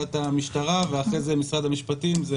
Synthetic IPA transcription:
at̪amiʃt̪aʁaveaχʁezemisʁad̪amiʃpat̪imze

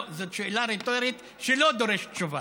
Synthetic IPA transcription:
zot̪ʃeːlaɾet̪oɾit̪ | ʃelod̪oɾeʃtt͡ʃuva

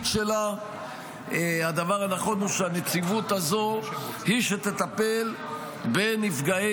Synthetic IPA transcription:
tʃela | ad̪avaʁanaχo̞nuʃeanet͡sivut̪azo̞hiʃet̪et̪ape̞l | be̞nifɡae

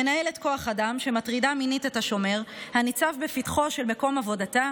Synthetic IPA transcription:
enae̞letko̞aχadamʃematʁidaminitethaʃo̞me̞ʁhanit͡savbefitχo̞ʃe̞lme̞ko̞mavo̞data

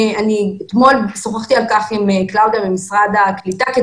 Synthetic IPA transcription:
aniet̪mo̞lsoχaχt̪ialkaχimeklawd̪iabemisʁad̪aklit̪ake

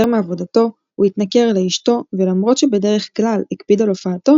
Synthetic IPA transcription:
eʁmeavo̞dato̞ | uitnake̞ʁalaiʃto̞velamʁo̞t̪ʃebe̞de̞ʁe̞χklalikpidalofaːto̞

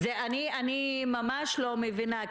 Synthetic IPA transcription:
eanianimamaʃlomevina

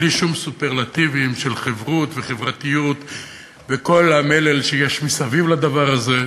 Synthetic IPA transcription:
liʃumsupeʁlat̪ivimʃe̞lχevʁut̪ve̞χevʁat̪ijut̪ | beko̞lamelelʃejeʃmisavivlad̪avaʁaze̞

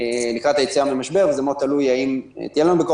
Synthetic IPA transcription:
likʁat̪ajet͡siambemaʃbe̞ʁvezemot̪alujaim̰t̪ijelanubeko

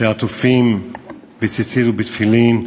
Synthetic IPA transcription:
eat̪ufim | bet͡sit͡siɾubet̪filin

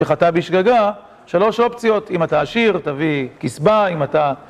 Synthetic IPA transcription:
eχatabiʃɡaɡa | ʃalo̞ʃo̞pt͡sijo̞t̪imataːʃiʁt̪avikisbaimat̪a

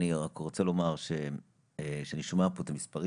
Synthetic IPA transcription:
niʁakʁo̞t͡selo̞maʁʃe | ʃeaniʃmapoet̪amispaʁi

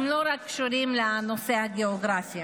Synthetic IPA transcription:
mloɾakːʃuɾimlenosehaɡeoɡɾafja

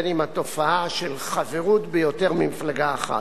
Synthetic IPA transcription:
nimat̪o̞faaʃelχaveʁut̪bejo̞t̪e̞ʁmimiflaɡaːχa̰

